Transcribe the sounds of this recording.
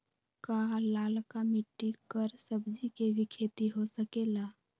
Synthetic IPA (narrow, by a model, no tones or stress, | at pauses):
kalaːlkamiʈːikəɾsəbd͡ʒikebʱikʰeːt̪iɦosəkeːlaː